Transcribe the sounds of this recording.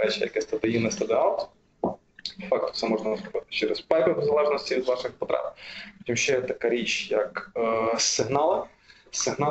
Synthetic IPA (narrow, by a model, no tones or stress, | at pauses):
ɾɛt͡ʃɪ̰jɐ̰kɛst̪ɐd̪ɪjinɪst̪ɐd̪ɪɑlˠt̪ | pɔfɑk̚t̪ɔ̥t̪sɛmɔʒnɐnɐzɾʊbɪt̪ɪ̥t͡ʃɛɾɛspɛlʲkɔxʊzɐlˠɛʒnɔsʲtʲiʋʲid̪ʋɑʃɪxpɔt̪ɾɛ̰p̚t̪ʲimʃt͡ʃɛjɛt̪ɐkaɾʲit͡ʃjɐk | sɪɦnɑlˠɪ | sɪɦnɑ